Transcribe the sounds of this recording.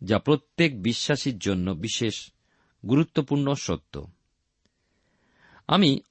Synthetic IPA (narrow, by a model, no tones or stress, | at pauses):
d͡ʑapɾot̪ːekbiʃːaʃiɾd͡ʑonːobiʃeʃ | ɡuɾut̪ːopuɾɳnoʃo̰t̪ʰːo̰ | a̰mi